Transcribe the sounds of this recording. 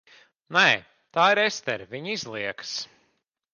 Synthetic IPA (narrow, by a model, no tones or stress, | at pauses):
nɛː | t̪aːiɾɛst̪ɛɾviɲizlˠiɛks